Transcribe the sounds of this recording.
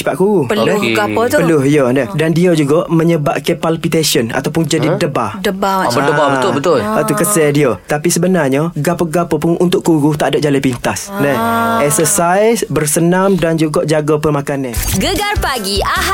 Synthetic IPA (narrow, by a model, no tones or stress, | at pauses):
t͡ʃi̥paʔkuɾupəldɛhɡaɔt̪pəlʊhjodəhdandiod͡ʒuɡɔʔməɲəba̰ʔkepalpit̪esiəna̰t̪awpʊnd͡ʒadidəba̰dəbaədəbabəʊbət̪ʊlat̪ukəsɛdiot̪apisəbənarɲəɡapəɡapɔpʊnunt̪ʊʔkːuɾut̪aʔdaʔ̚d͡ʒalajpint̪asndəɛksəsajsbərsənamdand͡ʒuɡɔʔd͡ʒaɡɔpəmakanənɡəɡarpaɡia